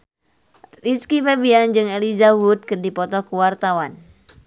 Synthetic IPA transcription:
riskifebiand͡ʒɨŋelizabut̪̚kɨrdipɔt̪ɔkuwart̪awan

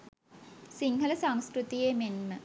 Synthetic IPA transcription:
siŋɦələsaŋskɾut̪ijemenmə

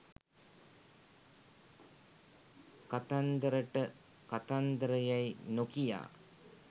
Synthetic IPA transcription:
kat̪and̪əɾəʈə | kat̪and̪əɾəjajnokija̰ː

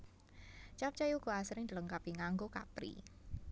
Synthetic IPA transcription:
t͡ʃap̚t͡ʃajuɡ̥o̤asɾɪŋd̪ələŋkapiŋaŋɡoka̰pɾḭ

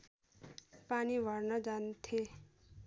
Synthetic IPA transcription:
paniʋʱʌɾnʌd͡zant̪ʰe

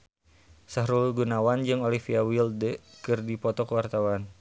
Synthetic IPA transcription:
saɦɾulɡunawand͡ʒɨŋɔlifiawildəkɨrdipɔt̪ɔkəwart̪awan

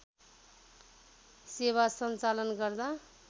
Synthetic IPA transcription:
seβasʌnt͡salʌnɡʌrd̪a

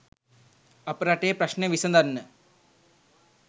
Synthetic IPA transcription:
ɐpɾaʈːeːpɾɐɕneʋisɐnd̪ɐnːɨ

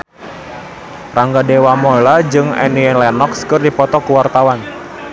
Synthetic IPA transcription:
raŋɡadewamɔlad͡ʒɨŋɛ̰niɛlɛnɔkskɨrdipɔt̪ɔkuwart̪awan

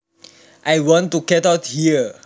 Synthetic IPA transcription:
ʔajwɔ̃ntːukɛtaʊthiə

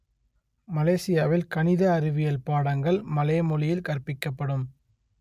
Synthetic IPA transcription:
mɐleːsɪjaːʋɪlkɐnɪðɐːɾɪʋɪjɐlpaːɽɐŋɡɐɭmɐlɐːmɔlɪjɪlkɐrpɪkːɐpːɐɽɯm

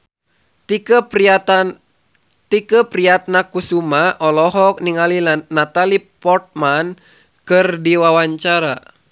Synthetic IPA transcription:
t̪ikəpɾiat̪̚nakusumaʔɔlɔɦɔk̚niŋalilanat̪alipɔrt̪̚man | kɨrdiwawaɲt͡ʃaɾa

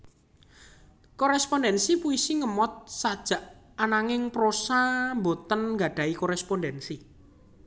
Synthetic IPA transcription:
koɾɛspɔndɛnsipuisiŋəmɔt̪̚sad̥ʒ̥a̤ʔ | anaŋɪŋpɾosambot̪ənŋɡa̤ɖ̥ä̤ikoɾɛspɔndɛnsi

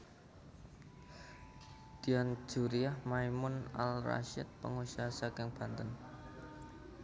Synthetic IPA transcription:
d̪̥ian̥d͡ʒ̥uɾiahmajmʊna̰lra̰ʃɪ̰t̪̚pəŋusiasakɪŋb̥a̤nt̪ən

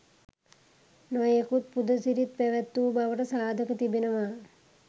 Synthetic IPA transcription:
nojekut̪̚pud̪ʱəsiɾit̪̚pæʋæt̪ːuːbaʋəʈəsaːd̪ʱəkət̪ibenəʋa

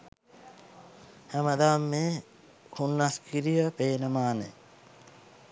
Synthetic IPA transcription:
hæməd̪aːmːeː | kʰunːaskʰiɾijəpeːnəmaːnḛ

